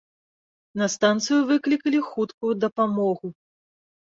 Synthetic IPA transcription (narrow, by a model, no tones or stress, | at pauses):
nɐst̪ant̪sɨjuvɨklʲikɐlʲixut̪kujud̪ɐpamɔɣu